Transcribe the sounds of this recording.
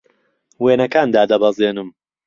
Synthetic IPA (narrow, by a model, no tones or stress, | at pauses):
weːnɐkaːnd̪aːd̪ɐbɐzeːnɨm